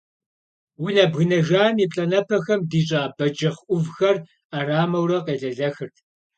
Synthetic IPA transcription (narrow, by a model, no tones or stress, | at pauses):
wʊnɐbɣɨnɐʒaːmipʼɬʼɐnɐpʰɐxɐmdiːɕʼaːbɐd͡ʒɐχʔʷʊvxɐr | aːraːmɐwɾɐqeːɮɐɮɐxɨrtʰ